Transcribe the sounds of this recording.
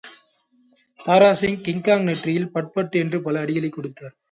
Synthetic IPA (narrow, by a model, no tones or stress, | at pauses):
t̪aːɾaːsɪŋkɪŋkaːŋnɛʈrɪjɪlpɐʈ̚pɐʈːɯɛndrɯpɐlɐːɽɪɣɐlɐɪkːɔɽɯt̪ːaːɾ